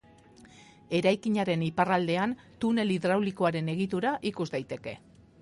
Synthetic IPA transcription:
e̞ɾajkiɲaɾe̞niparald̪e̞an | t̪une̞liðɾawliko̞aɾe̞ne̞ɣ̞it̪uɾaʔikuzd̪ajt̪e̞ke̞

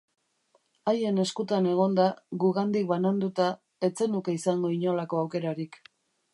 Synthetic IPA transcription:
aje̞ne̞skut̪ane̞ɣ̞o̞nd̪aɣuɣand̪ik̚βanand̪ut̪a | e̞t͡se̞nuke̞isaŋɡo̞iɲo̞lako̞awke̞ɾaɾik

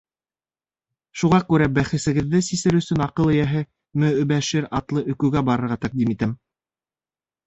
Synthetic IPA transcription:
ʃuʁɑkʉɾæbæχɘ̆sɘ̆ɡɘ̆ðːɘsisɘɾɵ̆sɵnɑqɤlˠɘ̆jæɦɘ | mɵɵ̆bæʃɘɾɑt̪lˠɤʔɵ̆kɵ̆ɡæbɑɾɤ̆ɾʁɑt̪æq̚d̪imit̪æm

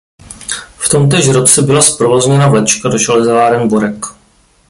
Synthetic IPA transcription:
ft̪o̞mt̪̬ɛʒɾot͡sɛbɪlaspɾovozɲɛnavlɛt͡ʃkadoʒalɛzlaːɾɛmboɾɛk

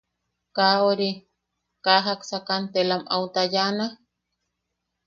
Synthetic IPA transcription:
kaoɾi | kaɦaksakant̪elamʔaut̪ajana

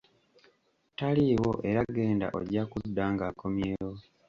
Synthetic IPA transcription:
taliwo̞ʔe̞ɾaɡe̞ːnda̰ʔo̰ɟakudːaːŋɡaːkʰo̞mje̞ːjo

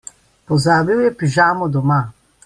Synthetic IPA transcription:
pɔzaːbiwjɛpiʒaːmɔd̪ɔmaː

